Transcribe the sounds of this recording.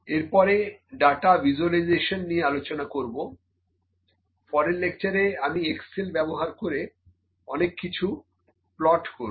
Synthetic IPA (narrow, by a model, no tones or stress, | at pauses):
eɾpɔɾeɖaʈabʱid͡ʑualijzeʃonːijealot͡ɕonakoɾbo | fɔɾenlekt͡ɕaɾeamieksilbɛboɦaɾkoɾe | ɔnekːit͡ɕʰu | plɔʈkoɾ